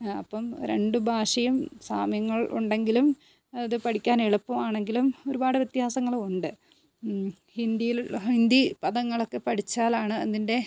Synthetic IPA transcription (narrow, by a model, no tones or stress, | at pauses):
ɐ̰pːɐmɾe̞̰ɳɖubʱaːʂɐjumsaːmjɐŋːɐɭʔṵɳɖe̞ŋɡilum | ɐɐðɨpɐɽikʲːaːneɭupːɐmaːɳe̞ŋɡilumo̞ɾubaːɽɨʋjt̪jaːsɐŋːɐɭuɳɖɨ | hind̪ijilind̪ipɐðɐŋːɐɭo̞kːe̞pɐɽit͡ɕːaːlaːɳɨɐ̰ðinde̞